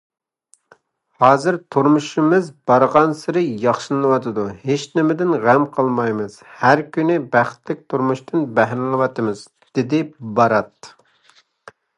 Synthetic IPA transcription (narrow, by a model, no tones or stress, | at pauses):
hɑːzɨɾt̪ʰuɾmuʃimɨzb̥ɑɾʁɑnsɨɾɨjɑχʃɨlˠɨnɨwɑt̪ʰɨd̪uhet͡ʃnɪmɪd̪ɪnʁæmqʰəlˠmɑjmɨz̥hæɾkʲynɪbæχt̪lɪk̚ʲt̪ʰuɾmuʃt̪ʰɨnbæɦɾɪlɨwɑt̪ɨmɨz | d̪̥ɪd̪ɪbɑɾɑt̪